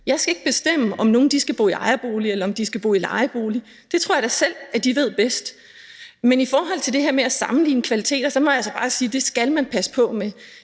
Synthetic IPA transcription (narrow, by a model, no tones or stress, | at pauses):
jɑ̈ɪsɡ̥æe̝ɡ̥̚b̥e̝sd̥em̰əɒ̽mno̝ːn̩d̥isɡ̥æb̥o̝̰ːiɑ̈ɪɐb̥o̝ːlielɐɒ̽md̥isɡ̥æb̥o̝̰ːilɑ̈ɪɐb̥o̝ːli | d̥e̝t͡sʰʁo̝ɐ̰d̥ɑ̈sel̰æd̥iʋe̝ð̞̰ˠb̥esd̥ | menifɒːɦɒ̽l̰t͡sʰe̝ld̥e̝ɦeɐ̰meæsɑ̈mn̩lḭːnəkʰʋælit͡sʰe̝̰ːd̥ɐsɒ̽mɒ̽jɑsɒ̽b̥ɑ̈ːsiːd̥e̝sɡ̥ælmænpʰæsə̥pʰɒ̽me